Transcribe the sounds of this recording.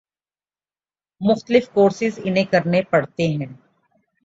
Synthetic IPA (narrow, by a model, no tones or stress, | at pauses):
mʊxt̪əlɪfkoːɾsɪzɪnẽkɐɾnepɐɽt̪eɦɛ̃ː